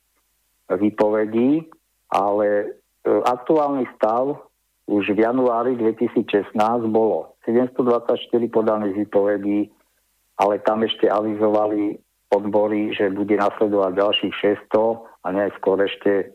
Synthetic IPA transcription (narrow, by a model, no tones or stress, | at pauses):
ʋiːpɔʋɛɟiː | ʔalɛ | ʔak̚t̪uaːlnist̪aʊ | uʒvjanuaːɾid̪ʋɛcisiːt͡sʃɛsnaːzɟbɔlɔsɛɟɛmst̪ɔd̪ʋat͡sacʃt̪iɾipɔd̪aniːɣʋiːpɔʋɛɟiː | ʔalɛt̪amɛʃcɛaʋizɔʋali | ɔd̪bɔɾiʒɛbuɟɛnaslɛd̪ɔʋaɟɟalʃiːxʃɛst̪ɔaɲɛskʊɔɾɛʃcɛ